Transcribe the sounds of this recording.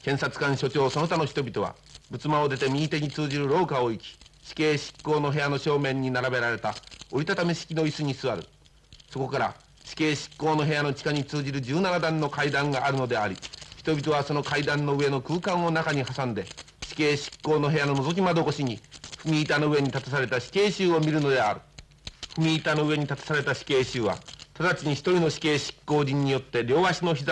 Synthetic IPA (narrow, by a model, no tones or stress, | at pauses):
kẽ̞ɰ̃sat͡sɨ̥kãɰ̃ɕo̞t͡ɕo̞ːsono̞t̪ano̞çi̥t̪o̞bʲit̪o̞βa̰ | bɯ̟t͡sɨmaod̪e̞t̪e̞mʲiːt̪e̞ɲ̟it͡sɨːʑiɾɯ̟ɾo̞ːkao̞ikʲi̥ɕi̥ke̞ːɕi̥kːo̞ːno̞ɦe̞jano̞ɕo̞ːmẽ̞ɲ̟ːinaɾabe̞ɾaɾe̞t̪aoit̪at̪ameɕi̥kʲino̞isɨɲ̟isɨβaɾɯ̟ | so̞ko̞kaɾa̰ | ɕi̥ke̞ːɕi̥kːo̞ːno̞ɦe̞jano̞t͡ɕi̥kaɲ̟it͡sɨːʑiɾɯ̟d͡ʑɨːnanad̪ãnːo̞kaid̪ãŋɡaʔːɾɯ̟no̞d̪e̞aɾʲiçi̥t̪o̞bʲit̪o̞β̞aso̞no̞kaid̪ãnːo̞ɯe̞no̞kɯ̟ːkãɰ̃o̞nakaɲ̟ihasãnd̪e̞ | ɕi̥ke̞ːɕi̥kːo̞ːno̞ɦe̞jano̞no̞zo̞k̬ʲimad̪o̞ko̞ɕiɲ̟iɸɯmʲiːt̪ano̞ɯ̟e̞ɲ̟it̪at̪asaɾe̞t̪aɕi̥ke̞ːɕɨːo̞mʲiɾɯ̟no̞d̪e̞a̰ɾɯ̟ | ɸɯ̟mʲiːt̪ano̞ɯe̞ɲ̟it̪at̪ḁsaɾe̞t̪aɕi̥ke̞ːɕɨːβa̰t̪ad̪at͡ɕiɲ̟içi̥t̪o̞ɾʲino̞ɕi̥ke̞ːɕi̥kːo̞ːd͡ʑĩɲ̟ːijo̞t̪ːe̞ɾʲo̞ːβaɕino̞çiza